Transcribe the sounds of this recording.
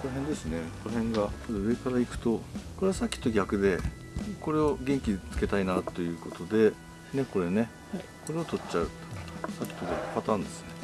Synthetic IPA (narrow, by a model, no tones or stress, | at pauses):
ko̞noɦend̪e̞sɨne̞konohẽ̞ŋɡasod̪eɯ̟e̞kaɾaikɯ̟̥t̪o̞ko̞ɾe̞asakʲːi̥t̪ːo̞ɡʲakɯ̟d̪e̞ | ko̞ɾe̞o̞ɡʲẽ̞ŋkʲit͡sɨ̥ke̞t̪ainat̪ːo̞jɯ̟ːko̞t̪o̞d̪e̞ | ne̞ko̞ɾe̞ne̞ | ko̞ɾe̞ot̪o̞t͡ɕt͡ɕɕaɯ̟t̪o̥sakʲːi̥t̪o̞ɡʲakɯ̟̥pat̪ãːnd̪e̞sɨ̥ne